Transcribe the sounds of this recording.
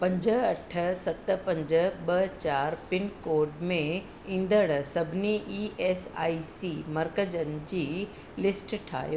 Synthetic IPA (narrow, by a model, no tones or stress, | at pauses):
pɐ̃ɲd͡ʑəɐʈʰə̆sɐt̪ə̆pɐ̃ɲd͡ʑə̆ɓɐt͡ɕaːɾpɪnkoːɾɖmẽ | ĩːnd̪əɽsɐbʱɪniʔiːʔeːsa̰ːisiːmɐɾkəd͡ʑənd͡ʑiː | lɪsʈʈʰa̰ːjo